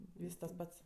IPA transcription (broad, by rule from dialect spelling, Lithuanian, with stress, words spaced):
ˈʋʲiːs tɐs ˈpɐts